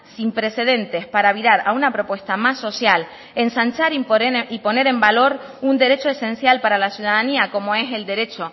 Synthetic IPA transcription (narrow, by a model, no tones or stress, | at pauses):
simpɾe̞se̞ðe̞nt̪e̞spaɾaβiɾaɾaunapɾo̞pwe̞st̪amasːo̞sjal | e̞nsant͡ʃaɾiipo̞ne̞ɾe̞mbalo̞ɾund̪e̞ɾe̞t͡ʃo̞esẽ̞nsjalpaɾalasjuðaðaniako̞mo̞e̞se̞ld̪e̞ɾe̞t͡ʃo̞